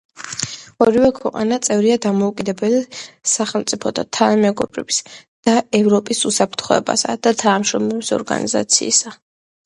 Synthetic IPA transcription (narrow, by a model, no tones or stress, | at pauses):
ɔɾivɛkʰwɛ̰qʼa̰nat̪sʼɛvɾiad̪amɔukʼid̪ɛbɛlisaχɛlˠmt̪sʼipʰɔt̪ʰat̪ʰanamɛɡɔbɾɛbi̥sd̪̥aɛvɾɔpʼisusapʰɾt̪ʰχɔɛ̰ba̰sa̰d̪̥at̪ʰanamʃɾɔmlɛbisɔ̰ɾɡa̰nḭza̰t̪sʰḭːsa